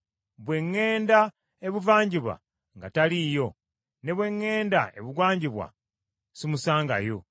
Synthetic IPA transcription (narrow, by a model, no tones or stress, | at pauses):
βwe̞ŋːe̞ːnda | e̞βuvaːɲɟiβwa̰ | ŋɡatalijo̞ | ne̞βwe̞ŋːe̞ːndae̞̰βuɡwaːɲɟiβwa̰ | simusaːŋɡa̰jo̞̰